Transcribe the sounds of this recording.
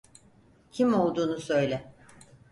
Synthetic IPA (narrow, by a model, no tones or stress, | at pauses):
cʰimo̞lˠd̪uːnusø̞jlʲɛ